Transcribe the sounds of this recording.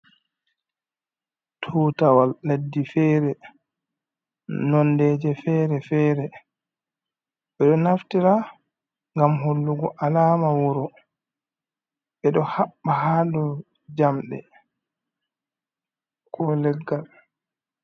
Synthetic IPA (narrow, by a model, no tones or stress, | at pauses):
tʰuːtawalːadːifɛːɾɛ | nɔndɛːd͡ʒɛfɛːɾɛfɛːɾɛ | ɓɛɗɔnaftiɾa | ŋɡamɦolːuɡɔʔalaːmawɔɾɔ | ɓɛɗɔhaɓːaɦaːdɔ | d͡ʒamɗɛ̰ | kʰɔlɛɡːal